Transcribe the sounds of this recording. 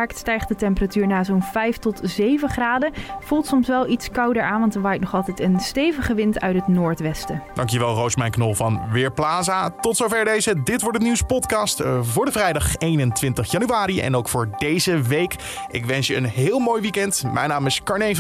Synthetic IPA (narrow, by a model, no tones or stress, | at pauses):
aɹktstɛjχdətɛmpəratyːɹnaːzownvɛjftɔtzejvəχraːdəv̥ulˠtsɔmsʋɛlˠitskɑwdəɹaːnʋɑntənʋaːjknɔχɑlˠtɛjtənstejvəχəʋɪntœɥtɦətnʊːɹtʋɛstəd̥ɑŋkjəʋɛlˠrowsmɛjnknɔlˠvɑnʋɪːɹplaːzaːtɔtsowvɛɹdejzədɪtʋɔɹtdəniwspɔtkɑstvʊːɹdəvrɛjdɑχejnəntʋɪntəχjɑnyaːɾiɛ̰nowkfʊːɹdejzəʋejk | ɪkʋɛnsjəənɦɪːlˠmoːjʋikɛntmɛjnaːmɪskɑɹne